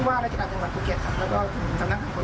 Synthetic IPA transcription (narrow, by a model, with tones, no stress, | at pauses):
waː˥˩ɾa˧˥˩t͡ɕʰːa˧˨aː˨˩t͡ɕa˧ŋwa˨˩t̚pʰuː˧˩kʰi˧˩kʰa˧˥˩lɛː˧˩wkɔː˥˩t̪ʰɯː˨˩˦sʰa˧mna˧˥kʰhaː˨˧ko˧˦